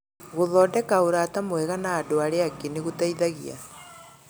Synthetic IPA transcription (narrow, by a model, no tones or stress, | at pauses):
ɣoðɔːdɛkaoɾatamwɛɣanaːdoaɾeakeneɣotaiðaɣia̰